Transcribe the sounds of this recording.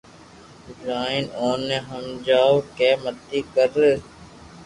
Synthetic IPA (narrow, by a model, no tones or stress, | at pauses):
ɪlaːɪnoːnːeɦəmd͡ʒaːokeːmət̪ːiːkəɾ